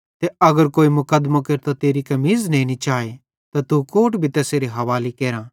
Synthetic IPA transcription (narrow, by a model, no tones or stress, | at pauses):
t̪eɐɡəɾkoːimʊkəd̪makeɾt̪at̪eːɾikɐmiːznɐ̃ĩnĩt͡ʃaːe | t̪at̪ukoːʈbʱit̪eːseːɾeɦɐʋaːlekeːɾã